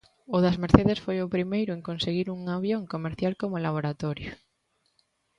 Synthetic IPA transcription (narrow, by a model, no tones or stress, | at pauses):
ʊðɐzmeɾθeðesfojʊpɾimejɾʊeŋkonseɣiɾuŋaβ̞jõŋkomeɾθjalkomolaβ̞oɾat̪oɾjo